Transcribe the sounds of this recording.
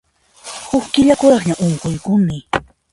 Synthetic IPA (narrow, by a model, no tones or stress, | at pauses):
hʊkkɪʎakʊɾɑχɲaʔoŋkʊjkʊmɪ